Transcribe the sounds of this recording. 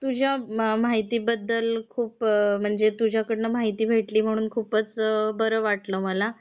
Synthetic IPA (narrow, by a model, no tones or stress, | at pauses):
t̪ud͡ʑʱjamaɦit̪iːbəd̪ːəlkʰuːpm̤əɳd͡zet̪ud͡ʑʱjakəɽnəmaɦit̪iːbʱeʈliːm̤əɽ̃uːnkʰuːpət͡sbəɾəʋaʈləːməla